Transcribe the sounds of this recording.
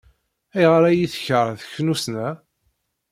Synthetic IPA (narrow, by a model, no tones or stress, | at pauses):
æjʁɾæjiθçəɾˤθəçnusnæ